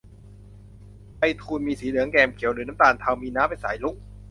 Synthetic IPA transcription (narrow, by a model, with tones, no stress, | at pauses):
pa˧jt̪ʰuː˧nmiː˧siː˩˦lɯ˩˦əŋkɛː˧mkʰi˨˩˦wlɯː˨˦naː˦˥mt̪aː˧˩nt̪ʰaː˧wmiː˧naː˦˥mpa˧˩jsa̰ː˩˦jlu˦˥k̚